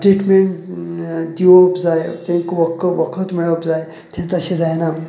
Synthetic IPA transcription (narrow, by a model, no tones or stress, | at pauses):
ʈɾiʈmeɳʈ | d̪iʋopd͡zajt̪ẽŋkʋəkʰʋəkʰət̪miɭeəpd͡zaj | t̪ʰjãnt͡səɕẽd͡zajna